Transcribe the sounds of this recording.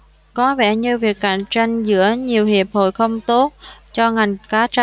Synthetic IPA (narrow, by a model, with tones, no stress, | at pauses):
kɔ˨˦vɛ˧˥˩ɲɨ˧vi˨˩ək̚ka̰˧˩ŋt͡ɕa˧jŋzɨ̰˧˥əɲi˨˩əwhi˨˩əp̚ho̰˧˨jxə˧wŋ͡mt̪o˦˥t̚t͡ɕɔ˧ŋa˨˩jŋ̟kaː˨˦t͡ɕa˧